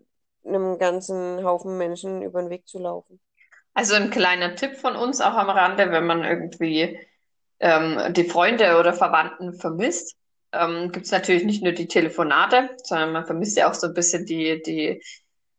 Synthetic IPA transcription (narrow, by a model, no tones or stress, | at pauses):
nəmɡant͡sn̩haʊfn̩mɛnʃn̩ʔy̰ːbɐnveːk̚t͡sulaʊfn̩ | ʔalzonkl̥aɪnɐtʰɪpfɔnʔʊnsa̰ʊxamʁandəvɛnmanʔɪ̰ɐɡŋ̩tv̥iː | ʔɛːmd̥iːfʁ̥ɔʏndəoːɾɐfɛɐvantn̩fɛɐmɪst | ʔɛːmɡ̥iːp̚tsnatʰyːɐlɪçnɪçtnuːɐdiːtʰeləfonaːtəz̥ɔndɐnmanfɛɐmɪstja̰a̰ʊxz̥oːnbɪsçəndiːd̥iː